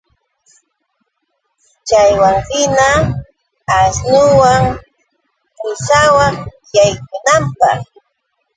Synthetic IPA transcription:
t͡ʃajwaŋɾɪnaː | snʊwaŋ | kʊsawaŋ | jajk̚ʊnampɑ̰χ

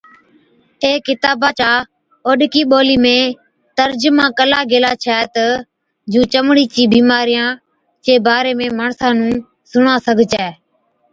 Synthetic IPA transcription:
eːkɪt̪aːbaːt͡ʃaː | oːɗkiːɓoːliːmẽː | t̪əɾd͡ʒmãːkəlaːɡeːlaːt͡ʃʰɛːt̪ə | d͡ʒũːt͡ʃəmɽiːt͡ʃiːbiːmaːɾɪjãː | t͡ʃeːbaːɾeːmẽːməːɳsãːnũː | sʊɳãːsəɡʱt͡ʃɛː

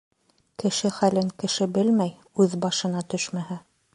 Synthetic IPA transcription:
kɘ̆ʃɘχælɘŋkɘ̆ʃɘbɘlmæj | ʉðbɑʃɤ̆nɑt̪ɵʃmæhæ

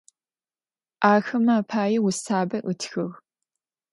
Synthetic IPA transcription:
ʔaːxɐmaːpʰaːjɛwʊsaːbɐʔɨtʰxɨʁ

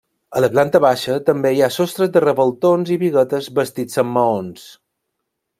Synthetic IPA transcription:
ələplant̪əβaʃət̪əmbeijasost̪ɾəzðərəβəlˠt̪onziβiɣət̪əzbəst̪id͡zəmːəons

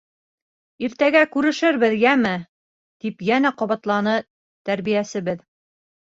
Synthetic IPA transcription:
iɾt̪æɡækʉɾɘ̆ʃɘɾβɘðjæmɘ | t̪ipjænæqɒβɑt̪lˠɑnɤ | t̪æɾβijæsɘ̆βɘð

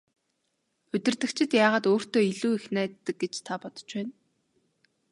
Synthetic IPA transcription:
ɵt̪ɪ̆rt̪ɘ̆kt͡ɕʰɪ̆t̪jaːʁaːt̪oːr̥t̪oːiɮuːixnæːt̪ːə̆k̚ɡet͡ɕt̪ʰapɔt̪ɞ̥̆t͡ɕpæːn

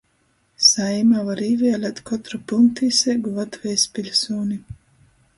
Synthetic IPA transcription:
sajmavaɾiːvʲɛːlʲat̪kɔt̪ɾɔpulˠnt̪isɛɡuvat̪vɛjspʲilʲsɔːnʲi

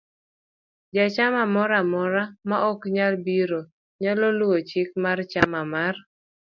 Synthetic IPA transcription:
d͡ʒat͡ʃamamɔɾamɔɾamaʔɔkɲalbiɾo | ɲalɔlʊwot͡ʃɪk̚mart͡ʃamamar

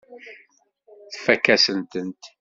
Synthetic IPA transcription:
θfækːæsənt̪ənt̪

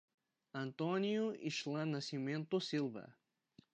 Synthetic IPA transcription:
ɐ̃nt̪õnjʊḭʃlɐ̃nasimẽnt̪ʊsilvɐ̰

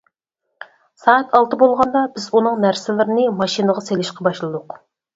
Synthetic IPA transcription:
sɑːɑt̪ʰɑlˠt̪ʰɨbolˠʁɑnd̪ɑbɪzunɨŋnæɾsɪlɪɾɪnɨmɑʃinəʁɑselɪʃqɑbɑʃlˠɨd̪ʊq

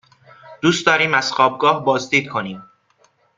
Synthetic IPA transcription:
d̪̥uːst̪d̪ɒːɾiːmæz̥xɒːb̚ɡɒːhbɒːzd̪iːd̪̚kʰo̞niːm

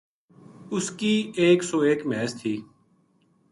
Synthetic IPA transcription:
ʊskiːeːksoːeːkmɛːst̪ʰiː

